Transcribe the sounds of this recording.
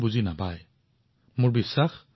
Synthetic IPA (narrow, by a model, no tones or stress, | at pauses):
buzinabaj | mʊɹbisːax